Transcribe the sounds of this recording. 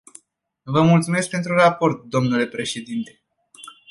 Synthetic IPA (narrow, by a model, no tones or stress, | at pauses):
vəmult̪sumesk̚pe̞nt̪ɾurapo̞rt̪̚d̪o̞mnule̞pɾe̞ʃe̞d̪int̪e̞